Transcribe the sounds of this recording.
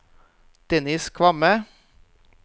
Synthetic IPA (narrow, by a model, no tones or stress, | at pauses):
d̪̥ɛnɪskʰʋɑmə